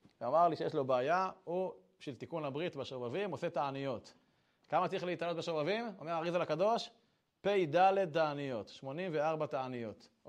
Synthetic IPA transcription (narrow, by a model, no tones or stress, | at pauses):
veamaʁliʃejeʃ̬lo̞beːjahubʃilt̪ikunabʁit̪baʃovavimoset̪aanijo̞t̪ | kamat͡siχleit̪anlot̪̚beʃovavimomeʁaʁizalakado̞ʃ | pejd̪ale̞d̪̚t̬aanijo̞t̪ʃmo̞nimveaʁbat̪aanijo̞t̪